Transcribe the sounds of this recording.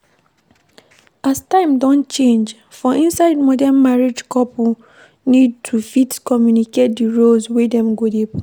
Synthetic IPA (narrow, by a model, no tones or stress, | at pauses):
astãɪ̃mdɔ̃nt͡ʃẽnd͡ʒ | fɔʔĩnsaɪdmɔdanmaɹed͡ʒkɔpu | nid̚tʰufitkɔmjuniket̚diɹolswedɛ̃mɡodep